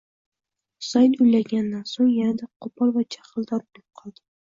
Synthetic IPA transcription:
sajt̪ʊjlaɡʲanːansoŋjanad̪aqʰopʰɑɾvat͡ʃʰḁχɨlˠd̪ɒɾbʊlˠɪp̚qʰɒlˠd̪ɪ

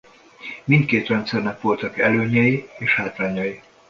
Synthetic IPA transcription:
mint̪̚keːt̪rɛnt̪sɛrnɛkʋo̞lt̪ɒkɛløːɲɛjieːʃhaːt̪ʋaːɲɒji

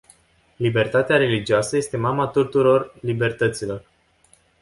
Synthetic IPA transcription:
libe̞rt̪at̪eaɾe̞lid͡ʒiasəje̞st̪e̞mamat̪ut̪uɾo̞rlibe̞rt̪ət̪silo̞r

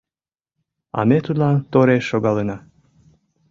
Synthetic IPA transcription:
ɑ̰met̪ud̪lɑnt̪oɾeʃoɣɑlenɑ

